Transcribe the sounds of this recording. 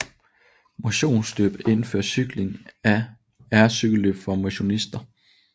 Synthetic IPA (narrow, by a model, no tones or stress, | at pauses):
mo̝ɕo̝̰ːnsd̥ø̰b̥e̝nfø̰ɐsyɡ̥le̝ŋæ | æɐsyɡ̥əløb̥fɒ̽mo̝ɕo̝nisd̥ɐ